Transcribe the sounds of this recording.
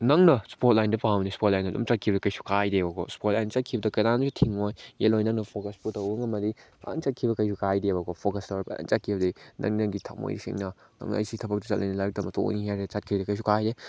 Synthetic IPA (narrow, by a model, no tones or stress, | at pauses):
nɐŋnɐspot̚lajndɐpamnispot̚lajnɐdṵmt͡ʃat̚kʰibɐdɐkɐjsu̥kajdebɐkʰo̰spot̚lajnt͡ʃat̚kʰibɐdɐkɐnansitʰiŋojelojnɐŋnɐpʰokɐsputɐwbɐŋɐmɐdipa̰a̰ŋt͡ʃat̚kʰibɐkɐjsukajdebɐkopʰokɐstɐwɾɐbɐ̰a̰ŋt͡ʃat̚kʰibɐdinɐ̰ŋinɐɡitʰak̚mo̰jɾisḭŋnɐ | nɐ̰ŋnɐ̰ɐ̰jsitʰɐbɐk̚tɐt͡ʃɐ̰t̚lɐ̰jnɐlɐɾk̚tɐmɐto̰niɦaɾet͡ʃat̚kʰidɐkɐjs̬ukajde